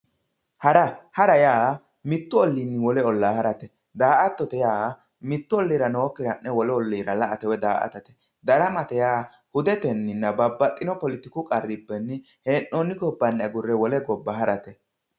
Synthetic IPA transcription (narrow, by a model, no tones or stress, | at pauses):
hɐɾɐhɐɾɐjaː | mɪt̪ːʊɔlːinːɪwɔlɛɔlːaːhɐɾɐt̪ɛ | d̪aːʔɐt̪ːɔt̪ɛjaː | mɪt̪ːʊɔlːiːɾɐno̞ːkːɪɾɐnːɛwɔlɛɔlːiːɾɐlɐʔɐt̪ɛwɛd̪aːʔɐ̰t̪ɐt̪ɛ̥ | d̪ɐɾɐmɐt̪ɛjaː | hʊd̪ɛt̪ɛnːɪnːɐbɐbːɐt̪ʼːɪnɔpɔlɪt̪ːɪkʊkʼɐrːɪbːɛnːɪ | heːnːoːnːɪɡɔbːɐnːɐɡʊrːɛwɔlɛɡɔbːɐhɐɾɐt̪ɛ